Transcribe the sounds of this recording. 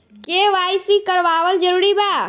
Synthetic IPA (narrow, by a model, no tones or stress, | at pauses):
keʋajsikəɾʋaʋəld͡ʒəɾuːɾiba